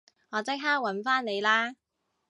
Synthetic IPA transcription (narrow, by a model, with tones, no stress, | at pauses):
ŋɔː˨˧t͡sk̚ɦaː˥k̚wɐ˨˥nfaː˥nne˨˧jlaː˥